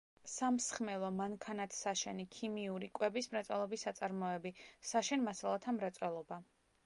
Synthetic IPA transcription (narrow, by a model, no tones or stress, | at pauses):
samsχmɛlˠɔmaŋkʰanat̪ʰsaʃɛnikʰimiuɾikʼwɛbismɾat̪sʼɛlˠɔbisːat̪sʼaɾmɔɛbisaʃɛnmasalˠat̪ʰamɾat̪sʼwɛlˠɔba